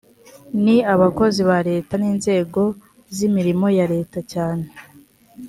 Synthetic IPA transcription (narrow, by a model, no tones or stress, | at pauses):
niaβako̞ziβaɾe̞ːtaniːnze̞ːɡo̞ | zimiɾimo̞jaɾe̞ːtacaːne